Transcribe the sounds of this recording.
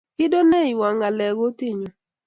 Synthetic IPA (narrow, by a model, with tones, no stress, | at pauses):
kɪ˦do˦ne˦˨i˨wa˨ŋa˨lɛ˨ɣo˦ti˦˨ɲo˨